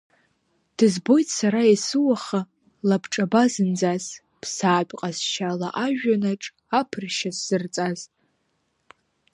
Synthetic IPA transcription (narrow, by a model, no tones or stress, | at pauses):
d̥ɨzbo̞jtʰʼsaɾaesɨwaχa | labʰʈ͡ʂʼabazɨnd͡zaz | pʰsaːt͡pʼqʼasʃalaʔaʒᶣanaʈ͡ʂʼ | apʰɨrʃasːɨrt͡sʼaz